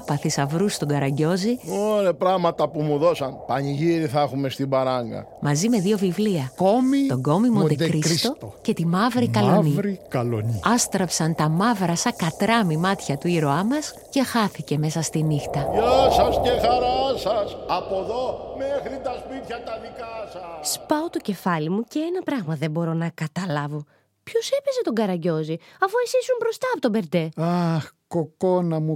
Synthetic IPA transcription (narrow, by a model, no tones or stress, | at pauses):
ɐpɐθisɐvɾust̪oɡɐɾɐɲɟo̞zioɾepɾɐɣmɐt̪ɐpumuðo̞sɐnpɐɲiʝiɾiθɐxume̞st̪ibɐɾɐŋɡɐ̰mɐzime̞ðio̞vivliɐkomit̪oɡo̞mimond̪ed̪ɾisst̪o̞ce̞t̪imɐvɾikɐloniɾikɐloniɐst̪ɾɐpsɐnt̪ɐmɐvɾɐsɐkɐt̪ɾɐmimɐt̪çɐt̪uiɾo̞ɐmɐs | ce̞xɐθice̞me̞sɐst̪inixt̪ɐjɐsɐscexɐɾɐsɐsɐpoðo̞mexɾit̪ɐspit̪çɐt̪ɐðikɐsɐsspɐot̪o̞ce̞fɐlimuce̞enɐpɾɐɣmɐðe̞mbo̞ɾo̞nɐkɐt̪ɐlɐvo̞ | pço̞se̞pe̞zet̪o̞ŋɡɐɾɐɟo̞ziɐfuesisumbɾo̞st̪ɐːpo̞t̪obe̞ɾd̪e̞ɐxkoko̞nɐmu